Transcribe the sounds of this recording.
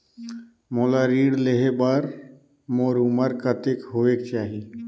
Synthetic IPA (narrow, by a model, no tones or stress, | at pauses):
moːlaːɾiːɽleɦebəɾ | moːɾuməɾkət̪ekɦoːʋeːk̚t͡ʃaːɦiː